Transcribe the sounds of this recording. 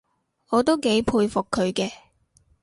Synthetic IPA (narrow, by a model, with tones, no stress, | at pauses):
ŋɔː˨˧t̪o˥wke˨˥jpʰuː˧jfʊ˨kʰːɵ˨˧ɥkɛː˧